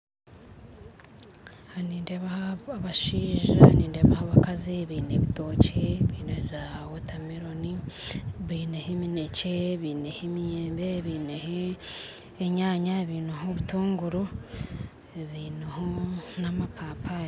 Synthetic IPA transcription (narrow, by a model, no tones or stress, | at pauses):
haniːndeβahaaβaʃiːʒa̰niːndeβahaβakaziβiːneβito̞ːceβiːnezawotamiɾoni | βiːnehemineceβiːnehemijeːmbeβiːneheː | ɲaːɲaeβiːnohoβutuːŋɡuɾo | eβiːnohonamapapʰaɾ